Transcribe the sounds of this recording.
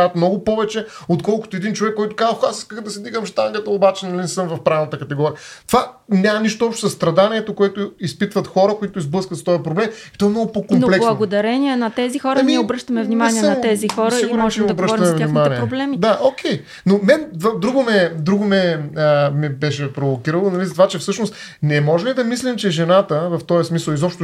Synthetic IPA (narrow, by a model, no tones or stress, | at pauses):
at̪mnɔɡʊpɔvɛt͡ʃɛ | ot̪kɔlˠkʊ̥t̪oɛd̪int͡ʃovɛkːɔjt̪ʊ̥kazəxasiskəxd̪ɐsɛd̪iɡəmʃt̪aŋɡət̪əobat͡ʃɛnɐlinɛsəmvɐfpɾavnət̪əkɐt̪ɛɡɔɾijət̪ova | nʲamɐniʃt̪oɔpʃt̪o̥sɐst̪ɾɐd̪aniɛt̪okoɛt̪ʊispit̪vɐt̪xɔɾəkoit̪ʊizblɤskvət̪st̪ɔjɐpɾoblɛmit̪ɔɛmnɔɡʊpokomnoplɛkbslˠnɐɡod̪ɐɾɛniɛnɐt̪ɛzixɔɾəmiɛobɾəʃt̪əmɛvnimaaniɛnɐɛzixɔɾsɐiɡʊɾɛt͡ʃɛid̪bɾəʃɾɐmɛvnimaniɛɾoblɛmid̪aʔokʲʰɛj | nomɛnt̪vad̪ɾuɡomɛd̪ɾuɡomɛəmɛbɛʃɛpɾovokiɾəlˠonɐvizət̪ovat͡ʃɛfsɤʃnost̪ | nɛmɔʒɛnlid̪ɐmislimt͡ʃɛʒɛnat̪əvɐft̪ɔjɐsmisəlˠizɔpʃt̪